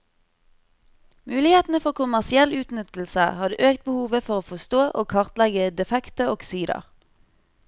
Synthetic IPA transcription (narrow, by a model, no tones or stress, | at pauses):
mʉːlɪheːt̪n̩əfɔʁkʊmæʁsɪɛlʉːt̪nʏt̪l̩səhɑd̪əʔøːkt̪̚bəhuːʋəfɔʁoːfɔst̪oːʔoːkʰɑʁt̪lɛɡəd̪ɛfɛkt̪əoksiːd̪ə̰ʁ